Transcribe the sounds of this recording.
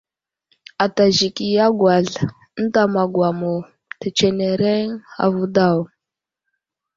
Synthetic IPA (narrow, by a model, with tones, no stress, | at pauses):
a˨ta˨ʒi˨ki˨ja˦ɡwa˨ɮ | n̩˦ta˨ma˨ɡwa˨mo˨ | te˨t͡ʃe˨ne˨ɾe˦ŋa̰˨vu˦da˦˨w